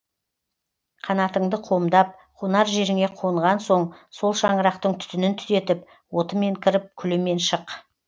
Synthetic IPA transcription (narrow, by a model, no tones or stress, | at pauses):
qʰɑnɑt̪əɴd̪əqʰo̞md̪ɑp̚qʰonɑɾʒe̞ɾɪŋe̞qʰo̞əɴʁɑnso̞ɴso̞lˠʃɑɴəɾɑqt̪əɴt̪ʰʏ̥t̪ɪnɪnt̪ʰʏ̥ze̞t̪ɪp̚ | wo̞t̪əme̞ŋkʲʰɪɾɪp̚kʲʰʏlɪme̞nʃəq